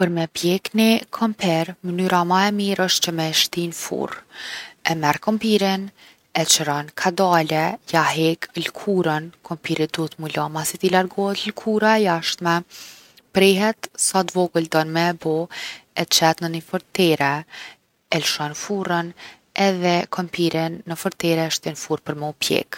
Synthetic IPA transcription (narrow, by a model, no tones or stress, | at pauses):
pəɾmɛpjɛknikʰɔmpʰɛɾmənyɾamaɛmiɾəʃt̪̚t͡ʃəmɛʃt̪infṵr | ɛmɛɾkɔmpiɾin | ɛt͡ʃəɾɔnkʰad̪alɛjaɦɛklkʰuɾənkʰɔmpiɾid̪uət̪mulamasit̪ilaɾɡɔɦɛt̪lkʰuɾaɛjaʃt̪mɛ | pɾɛɦɛt̪sat̪vɔɡuld̪ɔnmɛːbɔɛt͡ʃɛt̪nənifɔɾt̪ɛɾɛ | ɛlʃɔnfuɾən | ɛðɛkʰɔmpʰiɾinːəfɔɾt̪ɛɾɛʃt̪infuɾpəɾmɛɔpjɛ̰k